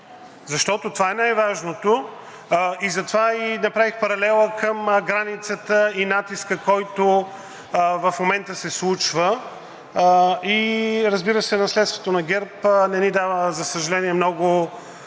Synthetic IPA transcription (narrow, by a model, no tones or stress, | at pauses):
zɐʃt̪ɔt̪ot̪ovaɛnajvaʒnot̪o | izɐt̪ovainɐpɾavixpɐɾɐlɛlˠəkəmɡɾanit̪sət̪əinat̪iskəkɔjt̪o | vɐfmomɛnt̪əsɛslˠut͡ʃvə | iɾəzbiɾəsɛnɐslɛt̪st̪vot̪onɐɡʲɛɾpnɛnid̪avəzɐsəʒɐlɛniɛmnɔɡʊ